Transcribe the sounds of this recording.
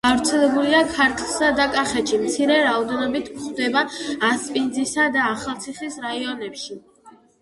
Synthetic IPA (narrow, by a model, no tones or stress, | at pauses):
avɾt̪sʰɛlɛbuliakʰaɾkʰʼlˠsad̪akʼaχɛʃimt̪sʰiɾɛɾaɔd̪ɛnɔbit̪ʰmχd̪ɛbaːspʼind̪zisad̪aːχalˠt̪sʰiχisɾaiɔnɛpʃi